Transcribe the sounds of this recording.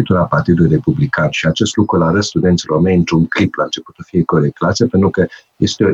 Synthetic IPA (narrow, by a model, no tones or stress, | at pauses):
it̪ulapart̪id̪ulujre̞publikanʃiat͡ʃe̞st̪lukɾulaɾət̪st̪ud̪ent̪sʲlo̞rmejɨnt̪ɾuŋkɾiplaɨnt͡ʃe̞put̪səfije̞koɾek̚t̪lat̪sepe̞nt̪ɾukə | je̞st̪eo